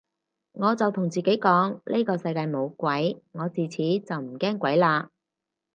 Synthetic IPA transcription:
ŋɔː˨˧t͡sɐ˨wt̪ʰʊ˨˩ŋt͡siː˨ke˨˥jkɔː˨˥ŋli˥kɔː˧sɐ˧jkaː˧jmo˨˧wkʷɐ˨˥jŋɔː˨˧t͡siː˨˩t͡sʰiː˨˥t͡sɐ˨wm̩˨˩kɛː˥ŋkʷɐ˨˥jlaː˧

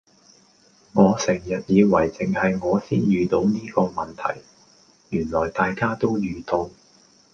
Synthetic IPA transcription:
ŋɔː˨˧sɛː˨˩ŋjɐ˨t̚jiː˨˧wɐ˨˩jt͡sɪ˨ŋhɐ˨jŋɔː˨˧siː˥njyː˨t̪o˨˧˥wniː˥kɔː˧mɐ˨nt̪ʰɐ̰˨˩j | jyː˨˩nlɔː˨˩jt̪aː˨jkaː˥t̪o˥wjyː˨˧t̪ʊ˨˧ŋ

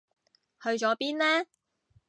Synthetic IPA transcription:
hɵ˧ɥt͡ʃɔː˨˥piː˥nlɛː˥

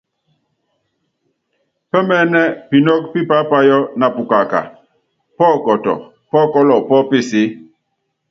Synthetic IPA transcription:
pɛ˦mɛ˦nɛ˦pi˨nɔ˦k̚pi˦pa˦pa˦jɔ˦na˨pu˨ka˨ka̰˨ | pɔː˦˨kɔ˨tɔ̰˨ | pɔ˦kɔ˦lɔ˨pɔ˦pe˦˨si˦

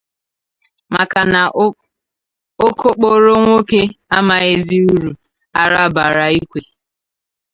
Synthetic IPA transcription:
ma˨ka˨na˨ | o˦kʰo˦k͡po˦ɾo˦ŋʷo˦ke˦a˦ma˨e˦zi˦u˦ɾu˨ | a˨ɾa˦˨ba˨ɾa˨i˦kʷe˨

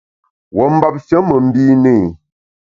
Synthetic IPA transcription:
wɔ˨m̩˦ba˦p̚ʃə˦mə˨m̩˦bi˦ne˦˨

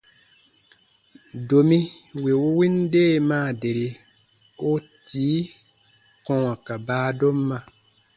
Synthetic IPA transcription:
do˨mĩ˦we˨wu˦wi˦n˦deː˦mãː˦˨de˨ɾi˨ | o˦tiː˨˦ | kɔ̃˦˨w̃ã˨ka˨baː˦do˦mː˦ã˧

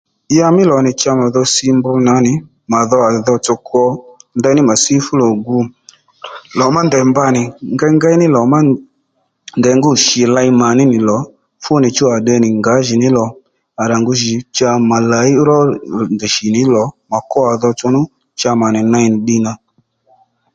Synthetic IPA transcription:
ja˧mɪ˦lɔ˨nɪ˨t͡ʃa˧ma˨ðɔ˧sɪ˧mbʊ˧na˨˦nɪ˨˦ | ma˨ðɔ˧a˨ðɔ˧t͡ʃɔ˧kʰɔ˧nda˧˦nɪ˦ma˨si˦fʊ˦lɔ˨ɡu˧ | lɔ˨ma˦ndɛ˨mba˧nɪ˨ŋɡa˦ŋɡa˦i˦nɪ˦lɔ˨ma˦ | ndɛ˨ŋɡʊ˦ʃi˨la˧jma˨nɪ˦nɪ˨lɔ˨˦ | fʊ˦nɪ˨t͡ʃu˦a˨ɗɛ˧nɪ˨ŋɡa˨˦ʒɪ˨nɪ˨˦lɔ˨ | a˨ɾa˨ŋɡu˧ʒi˨t͡ʃa˧ma˨la˨˦i˦ɾɔ˦˨ndi˨ʃi˨nɪ˨˦lɔ˨˦ma˨kɔ˦a˨ðɔ˧t͡ʃɔ˧nʊ˦ | t͡ʃa˧ma˨nɪ˨na˧i˨nɪ˨ɗi˧na˧

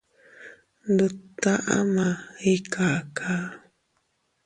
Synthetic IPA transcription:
nd̪u˨t̪a˦ʔa̰˦mã˨i˦kʰa˨ʔkʰa˦

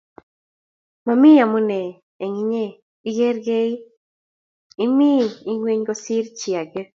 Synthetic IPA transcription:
ma˨mi˦ja˨mo˦nɛ˨ | e˨ŋi˦ɲe˦˨ | i˦ɡe˦ɾɡe˦i˦ | i˦mi˦˨i˦ŋwe˦ɲɡɔ˦si˦ɾt͡ʃi˨a˨ɡe˦

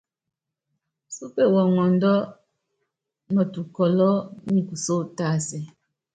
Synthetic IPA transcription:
su˦pe˦˨wɔ˨ŋɔ˨n˦dɔ˦ | mɔ˨tu˨kɔ˨lɔ˦ŋ̩˨ku˨so˦ta˦sɛ˨

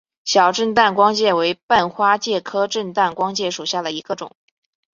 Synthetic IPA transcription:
ɕjɑ˨˩ʊʈ͡ʂə˥˧nt̪a˥˩nkwɑ˥ŋt͡ɕjɛ˥˩we˧˥ɪpa˥˩nxwa˥t͡ɕjɛ˥˩kʰɤ˥ʈ͡ʂə˥˧nt̪a˥˩nkwɑ˥ŋt͡ɕjɛ˥˩ʂu˨˩ɕja˥˩d̪ə˩i˧˥ɡ̥ə˧ʈ͡ʂʊ̰˨˩˦ŋ

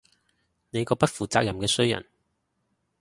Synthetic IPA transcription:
ne˨˧jkɔː˧pɐ˥t̚fuː˨˩t͡saː˧k̚jɐ˨˩mkɛː˧sɵ˥ɥjɐ̰˨˩n

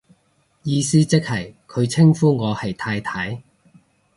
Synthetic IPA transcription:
jiː˧siː˥t͡sɪ˥k̚hɐ˨˩jkʰɵ˨˧ɥt͡sʰɪ˥ŋfuː˥ŋɔː˨˧hɐ˨jt̪ʰaː˧jt̪ʰɐ˨˥j

